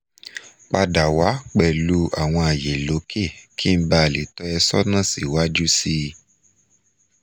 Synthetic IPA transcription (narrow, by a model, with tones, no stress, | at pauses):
k͡pa˧da˨wa˨˦k͡pɛ˨lu˨˦ʔa˨w̃ɔ̃˧a˨je˨lo˨˦kʰe˦˨kʰi˦ba˧˨li˨tɔ˦ɛ˧sɔ˦nã˦˨sḭ˨wa˦d͡ʒu˦si˦